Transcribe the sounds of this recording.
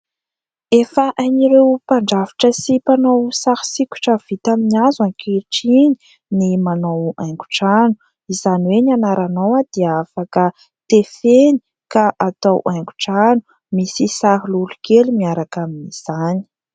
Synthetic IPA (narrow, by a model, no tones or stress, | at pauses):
efəʔaniɾewpaɳɖ͡ʐaviʈ͡ʂəsipanowsahi̥sikʲu̥ʈ͡ʂəv̥it̪aminiazankiʈ͡ʂini̥ | nimanowajŋɡu̥ʈ͡ʂanu̥ | izaniwenanaɾanowad̪̥iafakə | t̪efeni | kaʔat̪awʔajŋɡu̥ʈ͡ʂanu̥ | misisaɦilulukelumiaɾakaminiz̥ani̥